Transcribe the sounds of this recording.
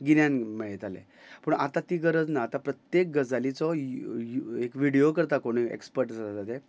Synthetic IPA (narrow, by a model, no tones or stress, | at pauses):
ɡinjanmeɭet̪alḛ | pəɳa̰t̪at̪iːɡəɾəd͡znaːt̪apɾət̪jek̚ɡəd͡zalit͡sɔ | ekʋiɽiokəɾt̪akoɽ̃iḛkspəɾʈsaat̪at̪e